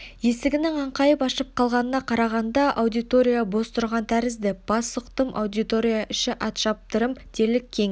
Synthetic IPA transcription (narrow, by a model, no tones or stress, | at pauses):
je̞sɪɡʲɪnɪŋɑɴqɑjəpɑʃəp̚qʰɑlˠʁɑnənɑqʰɑɾɑʁɑnd̪ɑʔɑwd̪ijt̪o̞ɾʲijabo̞st̪ʊɾʁɑnt̪ʰæɾɪzd̪ɪb̥ɑsʊqt̪əmʔɑ̰wd̪ijt̪o̞ɾʲijaʔʏʃɪʔɑt̪ʃɑp̚t̪əɾəmt̪ʰe̞lɪkʲʰːeŋ